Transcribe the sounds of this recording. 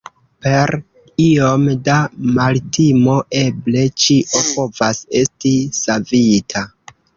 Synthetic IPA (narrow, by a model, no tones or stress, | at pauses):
pe̞ɾ | io̞mdamaltʰimo̞ʔe̞ble̞t͡ʃiʔo̞po̞vase̞stisavitʰa